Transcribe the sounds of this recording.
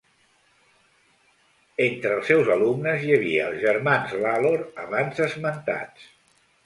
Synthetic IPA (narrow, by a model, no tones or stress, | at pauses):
ent̪ɾəːlˠsːɛwzəlumnəzjəβ̞iəːlˠzʒəɾmanzlaloɾəβanzəzmənt̪a̰t͡s